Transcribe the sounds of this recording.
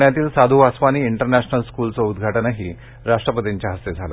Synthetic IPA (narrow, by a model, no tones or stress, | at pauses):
ɳjat̪iːlsad̪ʱuʋasʋaniːiɳʈəɾnæɕnəlskult͡sɔud̪ɡʱaʈənəɦiː | ɾaʂʈɾəpət̪iɲt͡ɕjaɦəst̪ed͡zʱala